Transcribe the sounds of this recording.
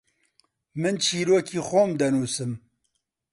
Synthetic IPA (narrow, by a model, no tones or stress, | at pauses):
mɨnt͡ʃʰiːɾoːkʰiːxomd̪ɛnuːsɨm